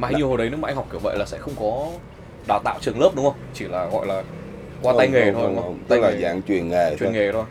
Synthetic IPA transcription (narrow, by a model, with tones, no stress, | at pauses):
maː˨a˧ɲi˨əho˨˩jɗə˨˦nɨ˦˥maː˨˧jŋ̟˨˩k͡pki˧˩və̰˧˨laː˨˩sɛ̰˧˥xə˧wŋ͡mkɔ˨˦ | ɗaː˨˩t̪a̰ː˧˨wt͡ɕɨ˨˩əŋləː˦˥p̚ɗʊ˨˦ŋ͡mxə˧wŋ͡mt͡ɕi˧˩laː˨˩ɣɔ̰˧˨jlaː˨˩ | kwaː˧a˧jŋe˨˧˨t̪ʰo˧jŋ˧t̪a˧jk̚laː˨zaː˨˦ŋt͡ɕwi˨˩ənŋe˨˩t͡ɕwi˨˧˩ŋe˨˩t̪ʰo˧j